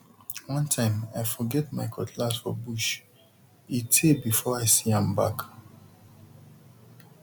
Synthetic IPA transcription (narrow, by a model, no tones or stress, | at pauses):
wʌ̃ntʰãɪ̃maɪfɔɡɛtmaɪkʰɔtʰlasfɔbuʃ | itʰebifɔaɪsiãmba̰k